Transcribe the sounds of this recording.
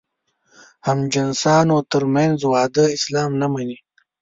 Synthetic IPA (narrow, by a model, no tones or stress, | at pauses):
hamd͡ʒɐnsɑːnoːt̪əɾmanzwɑːd̪əɪslɑːmnɐmɐni